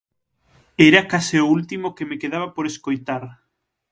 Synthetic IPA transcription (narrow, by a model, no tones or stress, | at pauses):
eɾakasɪoult̪imokemekeðaβ̞apoɾeskojt̪aɾ